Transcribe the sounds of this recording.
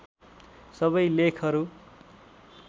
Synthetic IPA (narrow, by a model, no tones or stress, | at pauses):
sʌβʌjlekʰʌɾu